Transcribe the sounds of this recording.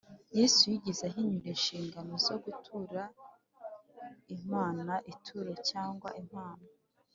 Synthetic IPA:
jeːsujiɟizaɦiɲuɾinʃiːŋɡanozo̞ɡutʰuːɾa | im̥aːnaʔitʰuɾocaːŋɡwa̰ʔim̥haːna

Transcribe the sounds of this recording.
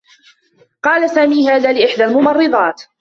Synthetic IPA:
qɑːlasaːmiːɦaːðaːlɪʔɪħd̪almʊmɑrˤːɨðˤɑːt̪

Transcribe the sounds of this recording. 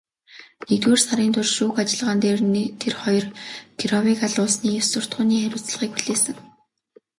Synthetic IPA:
nekt̪weːrsaɾiːnt̪ʰʊrʃuːxat͡ɕɪ̆ɮʁaːnt̪eːrnt̪ʰerχɔjɞ̆rk̪ʰiɾɔwikaɮʊːsniːjʊwsʊr̥t̪̚ɢʊːniːχæɾʲʊːt͡s̆ɮʁiːk̚puɮeːsɘ̆ŋ

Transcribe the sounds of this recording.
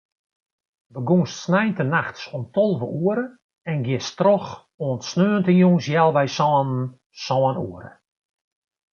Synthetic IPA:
ʋəɡunstsnɛjntənaxtsɔntʰɔlˠvəʔuəɾə | ɛnɡjɪstrɔx | oəntsnøːəntənjunsjɛlˠʋɛjsɔːnn̩ | sɔːnṵəɾə̰

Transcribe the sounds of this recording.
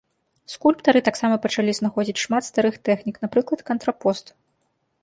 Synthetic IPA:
skulʲpt̪ɐɾɨt̪aksamɐpɐt͡ʂalʲiznaxɔd͡zʲit͡sʲʂmat̪st̪aɾɨxt̪ɛxnʲiknapɾɨklˠɐt̪kɐnt̪ɾapɔst̪

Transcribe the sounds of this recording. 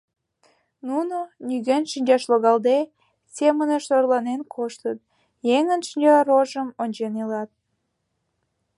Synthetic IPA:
nunonʲyɣenʃinʲd͡ʑɑʃloɣɑld̪e | sʲeməneʃorlɑnenkʰoʃt̪ət̪ | jeŋənʃinʲd͡ʑɑɾoʒəmonʲt͡ɕenelɑt̪̚

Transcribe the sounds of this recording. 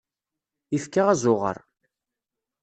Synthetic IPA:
ifkːaʁæzˤʊʁə̰ɾˤ

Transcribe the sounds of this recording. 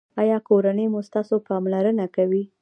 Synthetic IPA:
ɑjɑkoɾanəjmust̪ɑsopɑmlaɾənakawi

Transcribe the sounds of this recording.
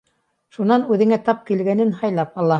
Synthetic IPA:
ʃunɑnʉðɘ̆ŋæt̪ɑp̚kilɡænɘnhɑjlˠɑp̚ɑlˠɑ

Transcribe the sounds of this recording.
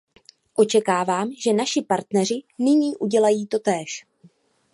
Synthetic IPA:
ʔo̞t͡ʃɛkaːvaːmʒɛnaʃɪpaɾt̪nɛr̝ɪnɪɲiːʔuɟɛlajiːt̪o̞t̪ɛːʃ

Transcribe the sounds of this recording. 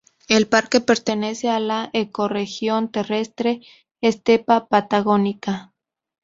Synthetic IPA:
elpaɾkepe̞ɾt̪enesealaʔekorexjo̞nt̪e̞rest̪ɾeː | st̪epapat̪aɣonika

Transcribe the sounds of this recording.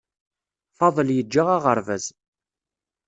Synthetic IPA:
fɑðˤəljəd͡ʒːaʁaʁəɾvæz

